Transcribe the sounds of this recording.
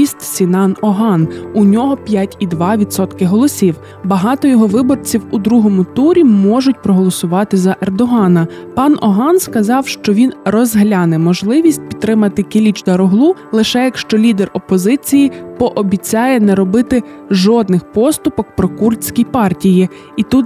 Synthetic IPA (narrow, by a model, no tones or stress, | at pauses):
ist̪sʲinɑnɔɦɑnunʲɔɦɔpʲjatʲid̪ʋɑʋʲid̪sɔt̪kɪɦɔlˠɔsʲiw | bɐɦɑt̪ɔjɔɦɔʋɪbɔrt͡sʲiwud̪ɾuɦɔmʊt̪uɾʲimɔʒʊt̚ʲpɾɔɦɔlˠɔsʊʋɑt̪ɪzɐʔerd̪ɔɦɑnɐpɑnɔɦɑnskɐzɑwʃt͡ʃɔʋʲinrɔzɦlʲanɛmɔʒlˠɪʋʲisʲt̚ʲpʲi̥t̪ːɾɪmɐt̪ɪkʲilʲit͡ʃd̪ɐɾɔɦlˠulˠɪʃɛjɐkʃt͡ʃɔlʲid̪ɛrɔpɔzɪt͡sʲijipɔʔɔbʲit͡sʲɑjɛnɛɾɔbɪt̪ɪ | ʒɔd̪nɪxpɔst̪ʊpɔk̚pɾɔkurʲsʲkʲijpɑrtʲiji | it̪ut̪